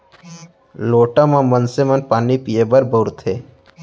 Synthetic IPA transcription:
loːʈãmãmənsemənpaːnipijebəɾbəɾt̪ʰɦeː

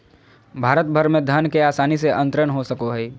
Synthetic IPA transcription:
bʱaːɾət̪̚bʱəɾmẽd̪ʱənkeaːsaːniseʔɐ̃nt̪ɾənɦosɐkoɦɛ

